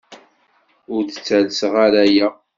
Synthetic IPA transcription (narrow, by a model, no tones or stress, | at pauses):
ʊɾdət͡sːælsʁaɾæjæ